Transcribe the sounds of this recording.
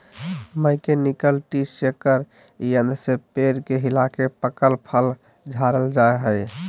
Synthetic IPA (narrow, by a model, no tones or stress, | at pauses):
məɪkenikəlʈisekəɾ | iənd̪ʱsepeɾkeɦilakepəkəlpʰəl | d͡ʒʱaɾəld͡ʒaeɦəj